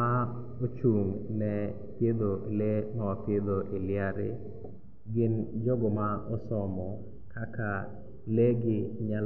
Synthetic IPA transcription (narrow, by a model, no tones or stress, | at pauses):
a | ot͡ʃuŋnɛ | pjed̪oʔelemawapjed̪oʔeljaɾɪ̰ | ɡɪnd͡ʒɔɡɔmaɔsɔmɔ | kʰaka | leɡɪɲal